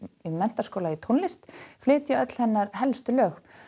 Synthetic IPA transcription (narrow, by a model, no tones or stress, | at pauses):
imɛn̥t̪askowlait̪ʰonlɪst̪flɪːt̪jʏœt̪l̥hɛnːaɾhɛlst̪ʏlœːx